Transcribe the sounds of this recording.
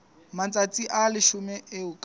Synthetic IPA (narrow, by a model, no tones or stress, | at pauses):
mant͡sʼat͡sʼiʔalɪʃʊmɛʔɪʊkʼ